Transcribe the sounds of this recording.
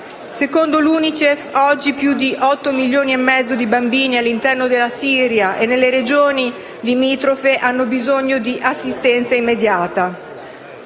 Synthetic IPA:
sekond̪oluːnit͡ʃefɔd͡ʒːipjud̪iʔɔt̪ːomiljoːniemːɛd̪zːod̪ibambiːnialːint̪ɛrnod̪elːasiːɾjaʔenːelːeɾed͡ʒoːni | limiːt̪ɾofeʔanːobizoɲːod̪iʔasːist̪ɛnt̪saimːed̪jaːt̪a

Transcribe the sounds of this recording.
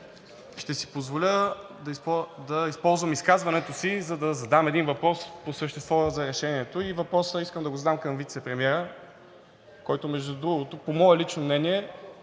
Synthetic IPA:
ʃt̪ɛsi̥pozvolʲə | d̪ɐipd̪ɐispɔlˠzvəmiskazvɐnɛt̪osizɐd̪ɐzɐd̪amɛd̪invɐpɾɔsposəʃt̪ɛst̪vɔzɐɾɛʃɛniɛt̪oivɐpɾɔsəiskəmd̪ɐɡozɐd̪amkɐmvit̪sɛpɾɛmiɛɾə | kɔjt̪omɛʒd̪ud̪ɾuɡʊt̪ʊpomɔɛlit͡ʃnomnɛniɛ

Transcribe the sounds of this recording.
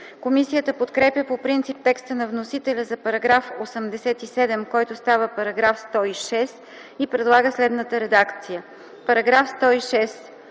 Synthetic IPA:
komisijət̪əpot̪kɾɛpjəpopɾint̪sip̚t̪ɛkst̪ənɐvnosit̪ɛlʲəzɐpɐɾɐɡɾafosəmd̪ɛsɛt̪isɛd̪ɛmkɔjt̪ost̪avəpɐɾɐɡɾafst̪ɔiʃɛs | ipɾɛd̪lˠaɡəslɛd̪nət̪əɾɛd̪akt̪sijə | pɐɾɐɡɾafst̪ɔiʃɛs

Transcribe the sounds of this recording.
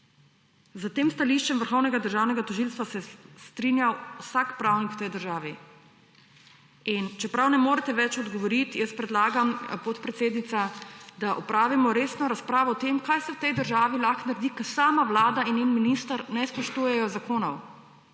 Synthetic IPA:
zat̪eːmst̪aliʃt͡ʃɛmʋəɾxɔwnɛɡad̪əɾʒaːwnɛɡat̪ɔʒilst̪ʋasɛst̪ɾinjawwsakpɾawnikwt̪ɛjd̪əɾʒaːʋi | int͡ʃɛpɾawnɛmoːɾɛt̪ɛʋɛt͡ʃɔd̪ɡɔʋɔɾit̪jɛspɾɛd̪laːɡampot̪pɾɛt̪seːd̪nit̪sad̪aʔɔpɾaːʋimɔɾeːsnɔɾaspɾaːʋɔɔt̪emkajsɛwt̪ɛjd̪əɾʒaːʋilaxnaɾd̪ikɐsaːmaʋlaːd̪ainjenminist̪aɾnɛspɔʃt̪uːjɛjɔzakoːnɔw

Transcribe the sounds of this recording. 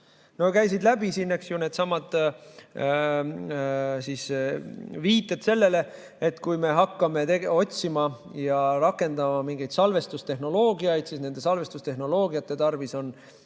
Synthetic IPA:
no̞kæjsid̪læb̥isinːeksjune̞ːd̪sɑmɑd̪ | sis | viːt̪ːˑe̞t̪se̞lːe̞le̞ | et̪kujme̞ɦɑkːɑme̞t̪eɡo̞tʲsimɑ | jɑɾɑkːe̞nd̪ɑmɑmiŋɡ̥ejd̪̥sɑlve̞st̪ust̪e̞ɦno̞lo̞ːɡiɑjd̪̥siːsne̞nd̪e̞sɑlve̞st̪ust̪e̞ɦno̞lo̞ːɡiɑt̪ːˑe̞t̪ɑrviso̞n

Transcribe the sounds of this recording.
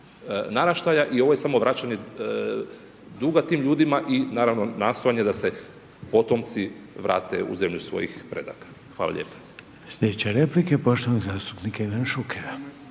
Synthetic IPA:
naɾaʃt̪ajaʔio̞ʋo̞je̞samo̞ʋɾat͡ɕaɲe | d̪uɡat̪iːmʎuːd̪imaʔinaːɾaʋno̞naːst̪o̞jaɲed̪ase̞ | po̞t̪o̞mt̪siʋɾʔa̰ːt̪e̞̰ṵze̞mʎusʋo̞̰jḭxpɾe̞̰d̪a̰kḁ | xʋaːla̰ʎe̞̰pḁ | sjʲed̪et͡ɕeɾeplikepo̞ʃt̪oʋnoɡzaːst̪upnikaiʋanʃukʰeɾa

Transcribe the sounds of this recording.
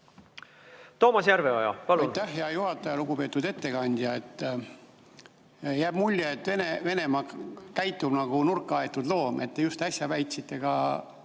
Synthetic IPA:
t̪o̞ːmɑsjæɾveojɑ̰pɑluɑjnt̪ːæhjɑjuɦhɑt̪ːˑɑjɑluɡ̥upe̞ːt̪ːˑud̪e̞t̪ːe̞kɑnʲd̪̥jɑe̞t̪ːˑ | jæːb̥mulʲːjeet̪ːve̞neve̞ne̞mɑkæjt̪ːˑub̥nɑɡ̥unurkːˑɑe̞t̪ːˑud̪lo̞ːme̞t̪ːe̞just̪ɑsʲjɑvæjt̪ʲsit̪ˑːe̞ɡ̥ɑ

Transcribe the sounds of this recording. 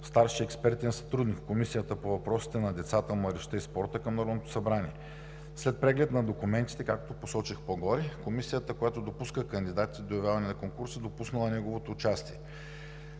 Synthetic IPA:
st̪aɾʃiɛkspɛɾt̪ɛnsɐ̥t̪ɾud̪nikːomisijət̪əpovɐpɾɔsi̥t̪ɛnɐd̪ɛt̪sat̪əmɐɾiʃt̪əispɔɾt̪əkɐmnɐɾɔd̪not̪osɐbɾanʲiɛ | slɛt̪̚pɾɛɡlɛt̪nɐd̪okumɛnt̪i̥t̪ɛkakt̪oposɔt͡ʃixpoɡɔɾikomisijət̪əkojat̪od̪opuskəkənd̪id̪at̪i̥t̪d̪ojɐvʲjavɐnɛnɐkoŋkuɾsid̪opusnəlˠɐnɛɡovot̪oːt͡ʃast̪iɛ

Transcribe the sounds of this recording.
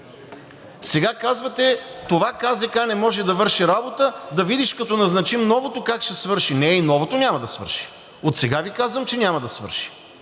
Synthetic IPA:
sɛɡakazvɐt̪ɛt̪ovakazɛkanɛmɔʒɛd̪ɐvɤɾʃiɾabot̪əd̪ɐvid̪iʃkɐt̪ɔnɐznɐt͡ʃimnɔvot̪okakʃɛsvɤɾʃinɛinɔvot̪onʲamɐd̪ɐsvɤ̰ɾʃi̥ | ot̪sɛɡavikazvəmt͡ʃɛnʲamɐd̪ɐsvɤ̰ɾʃi̥

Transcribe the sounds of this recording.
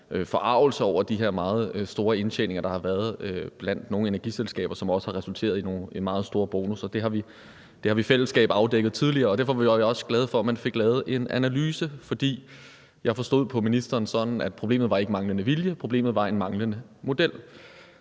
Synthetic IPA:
øfɒ̽ʔɑ̈ʊ̰l̩səɒʊ̰ɐd̥iɦe̝ɐ̰mɑ̈ːð̞̩ˠøsd̥o̝ːɐe̝nɕʰḛne̝ŋɐd̥ɑ̈hɑ̈ʋæːɐðˠøb̥læn̰d̥no̝ːŋ̩ne̝næɐɡ̥ḭselsɡ̥ɛ̰ːb̥ɐsɒ̽mɒ̽sə̥hɑ̈ʁɛsult͡sʰe̝̰ːɐðˠino̝ːimɑ̈ːð̞̩ˠsd̥o̝ːɐb̥oːnusɒ̽d̥e̝ɦɑ̈ʋi | d̥e̝hɑ̈ʋifel̰əsɡ̥ɛ̰ːb̥ɑ̈ʊd̥eɡ̥ð̩ˠt͡sʰið̞ˠliɐːɒ̽d̥æɐfɒ̽ʋɑ̈ʋʋɒ̽sɡ̥lɛð̞̩ˠfɒ̽æmænfe̝ɡ̥lɛːð̩ˠʔe̝nʔænælyːsəfɒ̽d̥ḭː | jɑ̈ɪfɒ̽sd̥o̝ð̞̰ˠpʰɒ̽minisd̥ɐːnsɒ̽d̥n̩æd̥pʰʁo̝b̥e̝̰ːmð̩ˠʋɑ̈e̝ɡəmɑ̈ŋlənəʋiljəpʰʁo̝b̥lḛːmð̩ˠʋɑ̈e̝nmɑ̈ŋlənəmo̝d̥el̰

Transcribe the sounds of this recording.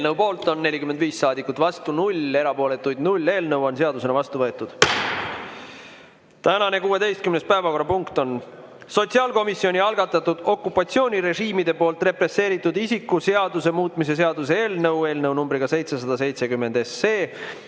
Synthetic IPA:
elnəwpo̞ːlt̪ˑo̞nːe̞lʲikymend̪viːsːɑːd̪ikːˑut̪vɑst̪unulʲe̞ɾɑpo̞ːle̞t̪ːˑujd̪nulʲːe̞ːlnɤwo̞nse̞ɑd̪use̞nɑvɑst̪uvɤ̞et̪ːˑud̪̥ | t̪ænɑne̞kuːe̞d̪e̞jst̪kymnest̪̚pæevɑko̞rːɑpuŋkt̪o̞n | so̞t̪siɑːlko̞misːio̞nʲiɑlɡɑt̪ːˑɑt̪ːud̪̥o̞kːˑupːˑɑt̪sio̞ːnʲiɾe̞ʒiːmid̪e̞po̞ːlt̪ˑre̞pre̞sːe̞ːɾit̪ːˑud̪isikːˑuse̞ɑd̪use̞muːt̪ˑmise̞se̞ɑd̪use̞e̞ːlnɤwe̞ːlnɤwnumbɾiɡ̥ɑse̞jt̪se̞sɑd̪ɑse̞jt̪se̞kymːe̞nd̪e̞sːeː

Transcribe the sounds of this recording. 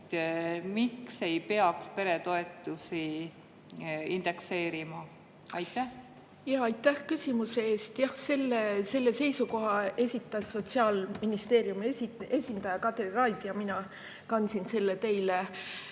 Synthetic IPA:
mikse̞jpeɑkspe̞ɾet̪o̞e̞t̪ːˑusi | ind̪̥e̞kseːɾimɑ | ɑjt̪ːˑæh | jɑːɑjt̪ˑːæhkysʲimuse̞eːst̪jɑhse̞lːese̞lːe̞se̞jsuko̞ɦɑe̞sʲit̪ˑːɑsːo̞t̪siɑːlminist̪e̞ːɾjumie̞sʲind̪̥ɑjɑkɑt̪rirɑjd̪̥jɑminɑ | kɑnsinse̞lːe̞t̪e̞jle

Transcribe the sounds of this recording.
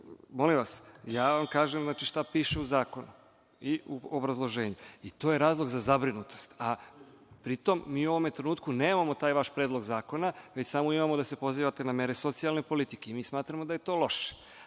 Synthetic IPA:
mo̞limʋasjaːʋamkaːʒemznaːt͡ʃiʃt̪apiːʃeuzaːko̞nu | iuobɾazlˠo̞ʒe̞ːɲuit̪o̞ːje̞ɾaːzlˠo̞ɡzazabɾinut̪o̞st̪a | pɾit̪o̞mːiːuo̞ʋome̞t̪ɾe̞nuːt̪̚kune̞ːmamo̞t̪aːjʋaʃpɾed̪lˠo̞ɡzaːko̞naʋe̞t͡ɕsamoimamod̪ase̞po̞ziːʋat̪e̞name̞ɾe̞so̞t̪sijalˠne̞po̞lit̪ike̞imiːsmaːt̪ɾamo̞d̪aje̞t̪o̞ːlo̞ʃe̥

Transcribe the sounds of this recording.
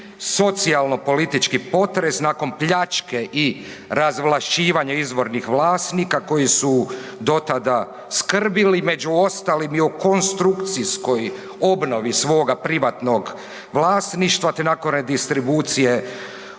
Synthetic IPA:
so̞t̪sialˠno̞po̞lit̪it͡ʃkipo̞t̪ɾe̞snaːko̞npʎat͡ʃke̞ʔi | ɾazʋlˠaʃiːʋaɲaizʋo̞ɾnixʋlaːst̪nikako̞jisud̪o̞t̪ad̪a | skr̩bilime̞d͡ʑuo̞st̪alimiuko̞nst̪ɾukt̪sisko̞j | obno̞ʋisʋo̞ːɡapɾiʋat̪no̞ɡ | ʋlˠaːst̪niʃt̪ʋat̪enaːkonɾed̪ist̪ɾibuːt̪sije̞

